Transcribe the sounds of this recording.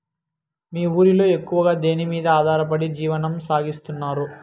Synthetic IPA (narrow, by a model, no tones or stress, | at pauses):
miːuːɾilo̞ːe̞kːuʋɐɡaːd̪e̞ːnimiːd̪ɐaːd̪ʱaːɾɐp̬ɐɽid͡ʒiːʋɐnɐmsaːɡist̪unːaːɾu